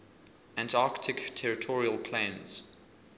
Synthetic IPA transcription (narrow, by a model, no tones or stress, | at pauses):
ãntɑˑktʰɪktʰɛɹɪtʰɔɹiəlˠpʰl̥ãnz̥